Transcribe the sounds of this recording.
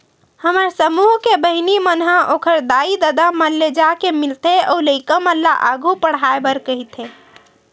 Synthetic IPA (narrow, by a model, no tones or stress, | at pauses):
həməɾsəmuɦkebəɦinimənɦãʔokʰəɾd̪aid̪əd̪aməlːed͡ʒakemilt̪eʔɔuləɪkəməlːa̰ʔaɡʱupəɽ̤aebəɾkəɦit̪ʰe